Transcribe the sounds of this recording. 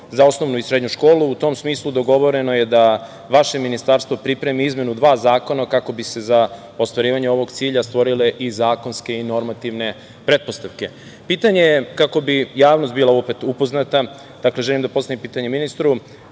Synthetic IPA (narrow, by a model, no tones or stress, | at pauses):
zaosno̞ʋnuisɾe̞d̪ɲuʃko̞ːlˠuːt̪o̞ːmsmiːslˠud̪o̞ɡo̞ʋo̞ɾe̞noje̞d̪a | ʋaʃe̞minist̪aɾst̪ʋo̞pɾipɾe̞miizmje̞nud̪ʋaːzaːko̞nakako̞bise̞za | ost̪ʋaɾiːʋaɲeo̞ʋo̞ɡt̪siːʎast̪ʋo̞ɾile̞ʔizaːko̞nske̞ino̞ɾmat̪iʋne̞ | pɾe̞d̪̚po̞st̪aʋke̞ | piːt̪aɲejkako̞bijaːʋno̞st̪̚biːlˠaopet̪upo̞znat̪a | d̪̥akle̞ʒelimd̪apo̞st̪aimpiːt̪aɲeminist̪ɾu